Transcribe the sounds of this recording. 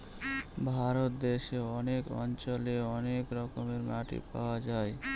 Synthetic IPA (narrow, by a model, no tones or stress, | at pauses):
bʱaɾot̪̚d̪eʃeɔnekɔ̰nt͡ʃɔleɔnekɾɔkɔmeɾmaʈḭpawad͡ʒae